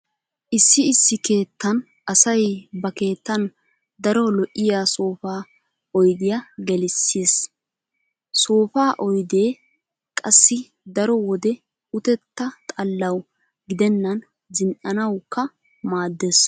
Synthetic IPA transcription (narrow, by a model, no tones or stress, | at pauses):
ʔɪsːɪɪsːɪke̞ːt̪ːɐn | ʔɐsɐjbɐke̞ːt̪ːɐn | d̪ɐɾɔlɔʔɪjaːso̞ːfaː | ɔjd̪ɪjaɡɛlɪsːiːs | so̞ːfaːʔɔjd̪e̞ː | kʼɐsːɪ | d̪ɐɾɔwɔd̪ɛ | ʊt̪ɛt̪ːɐt̪ʼɐlːɐw | ɡɪd̪ɛnːɐn | zɪnʔɐnɐwkːɐ | maːd̪ːes